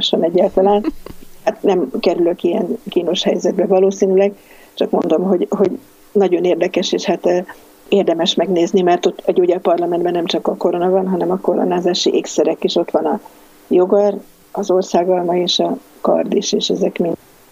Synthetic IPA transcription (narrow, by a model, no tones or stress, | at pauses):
ʃonɛɟːaːlt̪ɒlaːnhat̪nɛmkɛɾyløkijɛnkiːno̞ʃhɛjzɛd̪̚bɛvɒloːsiːnylɛɡ | t͡ʃɒkmo̞̰nd̪o̞mɦo̞ɟɦo̞ɟ | nɒɟo̞neːrd̪ɛkɛʃeːʃhat̪ː | eːrd̪ɛmɛʃmɛɡneːznimɛrt̪o̞t̪ːɒɟoːɟɒpɒrlɒmɛnd̪bɛnːɛmt͡ʃɒkɒko̞ɾo̞nɒvɒnɦɒnɛmɒko̞ɾo̞̰naːzaːʃiʔeːksɛɾɛkiʃo̞t̪ʋɒnɒ | jo̞ɡɒr | ɒzo̞rsaːɡɒlmɒeːʃɒ | kɒ̰rd̪iʃeːʃɛzɛkmin